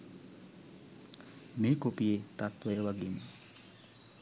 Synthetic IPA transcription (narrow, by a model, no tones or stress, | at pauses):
meːkopijet̪at̪ʋəjəʋaɡin